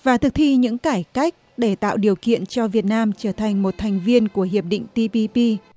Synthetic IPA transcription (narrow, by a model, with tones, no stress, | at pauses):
vaː˨˩t̪ʰɨ˨˩k̚t̪ʰi˧ɲɨ̰˧˥ŋkaː˧˩jka˦˥jk̟̚ɗe˧˩t̪a̰ː˧˨wɗi˨˩əwkḭ˧˨ənt͡ɕɔ˧vi˨˩ət̚naː˧mt͡ɕəː˧˩t̪ʰa˨˩jŋ̟mo˨˩t̚t̪ʰa˨˩jŋ̟vi˧ənku˧˩əɦi˨˩əp̚ɗḭ˧˨ŋ̟t̪i˧pi˧pi˧